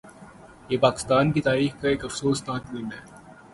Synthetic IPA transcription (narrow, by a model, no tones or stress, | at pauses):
jeːpaːkɪ̥st̪aːnkit̪aːɾiːxkaeːkɐfsoːsnãːkmɪːnɛː